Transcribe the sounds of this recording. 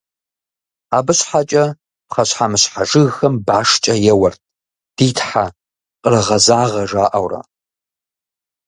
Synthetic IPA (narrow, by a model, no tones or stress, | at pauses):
aːbɨɕħat͡ʃʼɐ | pχɐɕħamɨɕħaʐɨɣxɐmbaːʂt͡ʃʼɐjɛwɐrt̚ʰ | d̥iːtʰħa | qʼərɨʁɐzaːʁɐʐaːʔɐwrɐ̰